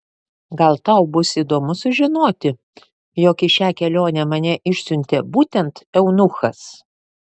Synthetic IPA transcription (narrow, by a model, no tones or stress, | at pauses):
ɡɐlˠt̪ɐʊbʊsiːd̪oːmʊsʊʒʲɪnoːt̪ʲɪ | joːkɪʃʲæːkʲɛlʲoːnʲɛmɐnʲɛʔɪʃʲsʲʊnʲt̪ʲɛbuːt̪ʲɛnt̪ɛʊnʊxɐs